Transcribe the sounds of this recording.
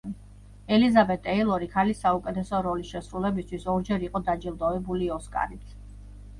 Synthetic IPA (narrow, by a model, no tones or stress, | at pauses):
ɛlizabɛt̪ʰʼɛilˠɔɾikʰalisːaukʼɛt̪ʰɛsɔɾɔlisʃɛsɾulɛbist̪ʰwisɔɾd͡ʒɛɾiqʼɔd̪ad͡ʒilˠd̪ɔvɛbuliɔskʼa̰ɾit̪ʰ